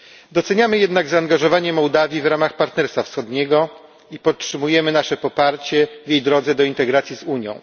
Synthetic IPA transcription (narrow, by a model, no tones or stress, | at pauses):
d̪ɔt̪sɛɲamɘjɛd̪naɡzaːŋɡaʐɔvaɲɛmɔwd̪avʲjivɾamaxpaɾt̪nɛɾst̪fafsxɔd̪ɲɛɡɔ | ipɔttʂɘmujɛmɘnaʂɛpɔpaɾt͡ɕɛvʲjejd̪ɾɔd̪zɛd̪ɔint̪ɛɡɾat̪sʲjizuɲjɔ̰̃w̃